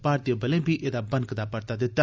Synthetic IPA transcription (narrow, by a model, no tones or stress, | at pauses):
paːɾt̪ijobəlẽːbʱiːʔeːd̪aːbənkd̪aːpəɾt̪aːd̪ɪt̪ːaː